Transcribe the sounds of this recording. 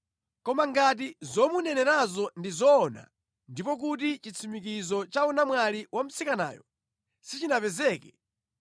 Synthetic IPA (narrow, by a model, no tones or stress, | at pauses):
kɔmaŋɡat̬izɔmunɛnɛɾazɔndizɔːna̰ | ndipɔk̬utit͡ʃit͡sʰimik̬izɔt͡ʃaunamwaliwam̩sikana̰ːjɔ̰ | sit͡ʃinapɛzɛːkɛ